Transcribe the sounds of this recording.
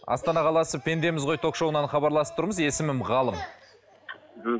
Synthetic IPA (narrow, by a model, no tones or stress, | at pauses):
ɑ̰st̪ɑnɑqʰɑlˠɑsəpʰʲe̞nd̪e̞mɪzʁo̞jt̪ʰo̞kʃowənɑɴχɑbɑɾlˠɑsəp̚t̪ʰʊɾməze̞sɪmɪmʁɑlˠəm